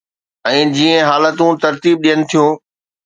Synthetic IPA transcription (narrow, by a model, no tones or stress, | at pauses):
ɛ̃ːd͡ʑiːə̃ɦaːlət̪ũt̪ɐɾt̪iːb̚ɗijənɪ̆t̪ʰijõː